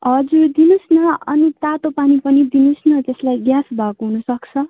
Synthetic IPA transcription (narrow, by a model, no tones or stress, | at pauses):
ɦʌd͡zuɾd̪inusnʌʌnit̪at̪opanipʌnid̪inusnʌt̪eslajɡjasbʱakoɦunʌsʌkt͡sʰʌ